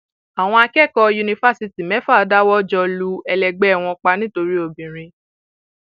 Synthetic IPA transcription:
a˨w̃ɔ̃˧a˧kɛ˦˨kɔ˧ju˧nĩ˧fa˦si˧ti˨mɛ˨˦fa˦˨˧da˦wɔ˦d͡ʒɔ˧lu˧ɛ˧lɛ˨ɡ͡bɛ˦˨w̃ɔ̃˧k͡pa˧nĩ˦to˧ɾi˦o˧˨bĩ˨ɾ̃ĩ˧

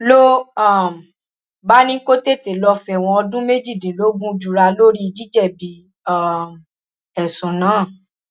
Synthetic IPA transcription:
lo˦a˦˨m˨ | ba˦nĩ˦ko˦te˦˨te˨lɔ˧fɛ˨w̃ɔ̃˧ɔ˧dũ˦me˦d͡ʒi˦˨dĩ˨lo˦ɡũ˦˧d͡ʒu˨ɾa˧lo˦ɾi˦i˧d͡ʒi˦d͡ʒɛ˦˨bi˨˦ | a˦˨m | ɛ˨sũ˨nãː˨˦˨

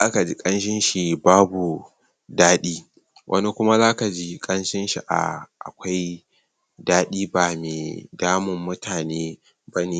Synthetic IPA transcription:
ʔa˦ka˨d͡ʒi˦kʼɐ˦nʃɪ˦nʃi˨baː˦bu˨ | daː˦ɗiː˦ | wʔɐ̰˦ni˦kʷʊ˦ma˦zaː˦ka˨d͡ʒi˦kʼɐ˦nʃɪ˦nʃi˨ʔa̰˨ʔa̰˨kʷa˦j | daː˦ɗiː˦baː˨meː˨daː˦mʊ˨mːʊ˦taː˨neː˦ | bɐ˦niː˦

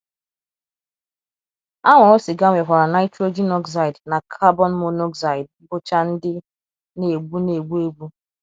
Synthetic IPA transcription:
a˦ŋʷa˨o˦si˨ɡa˦ŋʷe˨ɦʷa˨ɾa˨na˦ɪ˦tɾo˦d͡ʒi˦nɔ˦ks̬a˨i˨dna˨kʰa˦bɔ˦n̩˦mo˨nɔ˦ksa˨ɪ˨d̚ | bʊ˦t͡ʃa˦n̩˦dɪ˦ | ne˨ɡ͡bu˦ne˨ɡ͡bu˦e˦ɡ͡bu˦

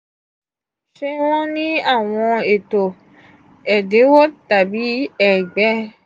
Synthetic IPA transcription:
ʃe˧w̃ɔ̃˦nĩ˦a˦˨w̃ɔ̃˧e˨to˨ | ɛ˨de˨˦wo˦ta˨bi˨˦ɛ˦˨ɡ͡bɛ˦

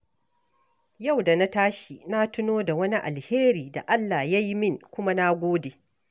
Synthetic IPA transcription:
ja˦˨wda˨na˦taː˦ʃi˨na˦tʊ˦noː˦da˨wɐ˦ni˦ʔa̰˨lheː˦ɾiː˨da̰˨ʔa˦lːa˨ja˦ji˦mɪ˦˨ŋkʷʊ˦ma˦na˦ɡʷoː˦deː˨

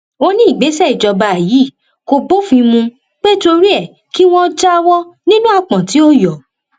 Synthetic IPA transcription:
o˧nĩ˦i˦˨ɡ͡be˨˦sɛ˦˨i˨d͡ʒɔ˧ba˧˨ji˨˦˨ | ko˧bo˦fĩ˧mũ˧ | k͡pe˦to˧ɾi˦ɛ˦˨ | ki˦w̃ɔ̃˦˧d͡ʒa˦˧wɔ˦nĩ˦nũ˦a˦˨k͡pã˨ti˨˦o˦jɔ˨

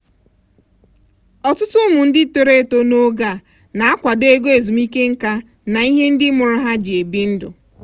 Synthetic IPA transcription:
ɔ˨tʊ˦tʊ˦mʊ˨n̩˦dɪ˦to˨ɾe˦˨to˦no˦ɡa˦˨ | na˨a˦kʷa˨de˦ɡo˦e˨zu˨mi˦ke˦ŋ̩˦ka˦ | na˨i˦ɦe˦n̩˦dɪ˦mʊ˨ɾʊ˦ɦa˦d͡ʒi˨e˨bi˦n̩˦dʊ̰˨

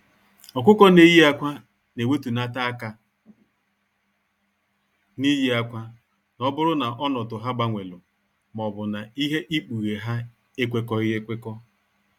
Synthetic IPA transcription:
ɔ˨kʷʊ˦kɔ˦ne˦ji˦a˦kʷa˦ | ne˨we˦tu˨na˦ta˦a˦ka˨ | ni˦ji˦a˦kʷa˦ | nɔ˦bʊ˦ɾʊ˦na˨ʔɔ˦nɔ˨tʊ˨ɦa˦ɡ͡ba˦ŋʷe˨lʊ˨ | mɔ˨bʊ˨na˨i˦ɦe˦ʔi˦k͡pu˨ɣe˨ɦa˦ | e˦kʷe˦kɔ˦ɪ˦ɣe˦kʷe˦kɔ˦

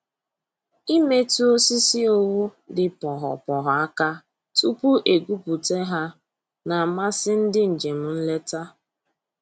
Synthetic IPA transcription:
i˦me˦tu˦o˦si˦si˦o˦wu˦dɪ˦pɔ˨ɦɔ̰˨pɔ˨ɦɔ˨a˦ka˦ | tu˦pu˦ʔe˨ɡu˦pu˨te˦ɦa˦ | na˨ma˦sɪ˦n̩˦dɪ˦n̩˨d͡ʒe˨m̩˨n̩˦le˦ta˦

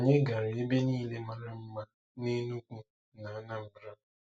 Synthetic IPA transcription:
o˨ɲe˦ɡa˨ɾɪ˨e˦be˦niː˦le˦ma˦ɾa˦m̩˦ma˦ | ne˦nu˦kʷu˦ | na˨a˦na˦m̩˨bɾa˦˨

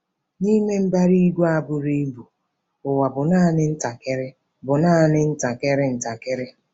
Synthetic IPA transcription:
ni˦me˦m̩˦ba˦ɾi˦ɡʷu˦a˨bʊ˨ɾi˦bu˨ | ʊ˨wa˨bʊ˨na˦˨˦nɪ˦n̩˦ta˨kɪ˦ɾɪ˦ | bʊ˨naː˦˨nɪ˦n̩˦ta˨kɪ˦ɾɪ˦n̩˨ta˨kɪ˦ɾɪ˦

